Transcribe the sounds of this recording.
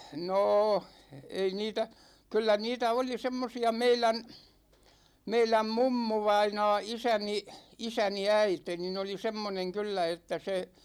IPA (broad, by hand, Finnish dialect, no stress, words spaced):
noː ei niːtæ kylːæ niːtæ oli semːosiɑ meilæn meilæm mumːuʋɑinɑː isæni isæni æite nin oli semːoneŋ kylːæ etːæ se